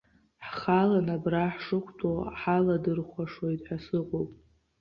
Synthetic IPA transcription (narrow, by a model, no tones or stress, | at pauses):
ħχalanabraħʂɨχʷʰtʰoħaladɨrχʷaʂwojtʼħasɨqʷʼowpʼ